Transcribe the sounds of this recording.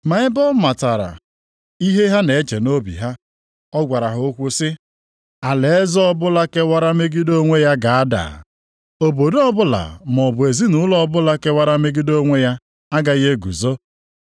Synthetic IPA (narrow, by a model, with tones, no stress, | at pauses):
ma˨ɪ˦bɔ˦ma˨ta˨ɾa̰˨ | i˦ɦe˦ɦa˦ne˨e˦t͡ʃe˨no˦bḭ˨ɦa˦ | ɔ˦ɡʷa˨ɾa˨ɦʊ˨˦o˦kʷu˦sɪ˦ | a˨le˨e˦zɔ˦ɔ˦bʊ˦la˦ke˦wa˦ɾa˦me˦ɡi˦do˦ŋʷe˦ja˦ɡa˨a˦da̰˨ | o˨bo˨dɔ˦bʊ˦la̰˨m˨ɔ˨bʊ˨e˨zi˦nʊ˦lɔ˦bʊ˦la˦ke˦wa˦ɾa˦me˦ɡi˦do˦ŋʷe˦ja˦ | a˦ɡa˨iɣe˦ɡṵ˨zo˦